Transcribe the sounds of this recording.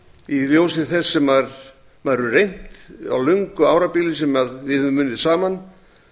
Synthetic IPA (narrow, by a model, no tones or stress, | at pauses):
iljoːwsɪθɛsːɛmaɾ | maɾʏrejn̥t̪a̰wlœŋkʏaːwɾapɪːlɪsɛmaðvɪðhœvʏmːʏːnːɪsaːman